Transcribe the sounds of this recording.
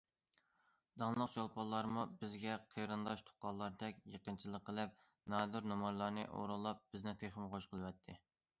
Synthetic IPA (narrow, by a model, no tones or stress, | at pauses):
d̪ɑŋlˠəqt͡ʃʰolˠpʰɑlˠːɑɾmubɪzɡʲɛqʰejɾɨnd̪ɑʃt̪ʰo̥qːɑlˠːɑɾd̪ɛkʲjəqənt͡ʃʰilˠəqːəlˠɪp̚ | nɑd̪uɾnɑmɑnlˠɑɾnɨ̰ʔo̰ɾulˠɑp̚b̥ɪznɪt̪ʰeχəmχoʃqʰəlˠwɛt̪ʰːɪ